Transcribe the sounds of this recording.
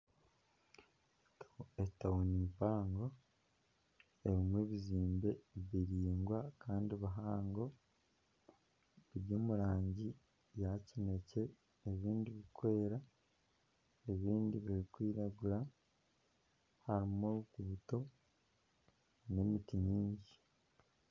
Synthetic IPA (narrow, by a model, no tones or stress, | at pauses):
etauniːmpaːŋɡo̞ | e̞βimwe̞ːβiziːmbe̞βiɾiːŋɡwakʰaːndiβaɦaːŋɡo̞ | βiɾjoːmuɾaːɲɟi | jacine̞ce̞ː | βiːndiβikwe̞ːɾa | eβiːndiβiɾikwiːɾaɡuɾa | haɾimoɾukuːto̞ | ne̞mitiɲiːɲɟi̥